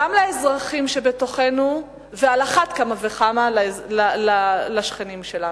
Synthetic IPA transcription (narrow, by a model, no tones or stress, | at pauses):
amlaezʁaχimʃebeto̞χenu | vealaχat̪kamaveχamallalalaʃχenimʃela